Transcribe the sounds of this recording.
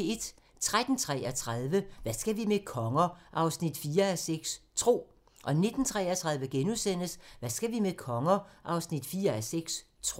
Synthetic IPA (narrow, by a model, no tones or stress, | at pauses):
e̝d̥ | t͡sʰʁad̥n̩t͡sʰʁɛ̰ɐt͡sʰʁaðˠʋəʋæsɡ̥æʋimekʰɒ̽ŋɐʔɑ̈ʊsnid̥fiːɐæseɡ̥st͡sʰʁo̝̰ː | ʔɒ̽ne̝d̥n̩t͡sʰʁɛːɐt͡sʰʁɑ̈ð̞ˠʋəɡ̥enusen̰əsʋæsɡ̥æʋimekʰɒ̽ŋɐʔɑ̈ʊsnid̥fiːɐæseɡ̥s | t͡sʰo